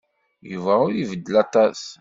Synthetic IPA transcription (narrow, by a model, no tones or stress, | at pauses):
juvæʊɾivəd̪ːəlɑt̪ˤɑs